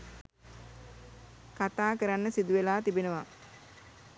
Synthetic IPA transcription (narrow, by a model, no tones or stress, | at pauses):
kat̪aːkəɾanːəsid̪uʋelaːt̪ibenəʋa